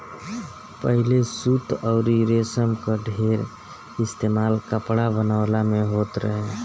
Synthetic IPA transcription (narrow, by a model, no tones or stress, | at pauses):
pəɦilesut̪ʰɔʊɾiɾesəmkəɖʱeːɾ | ɪst̪eːmalkəpɽabənaʊlamẽɦoːt̪ɾəɦẽ